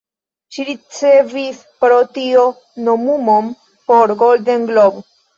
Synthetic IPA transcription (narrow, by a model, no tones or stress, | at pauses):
ʃiɾit͡sevis | pɾotio̞ | nomumom | poɾɡoldenɡlob